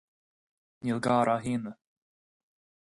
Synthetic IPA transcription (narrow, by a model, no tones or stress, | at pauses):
nilɡaːɾʔaɦiːnə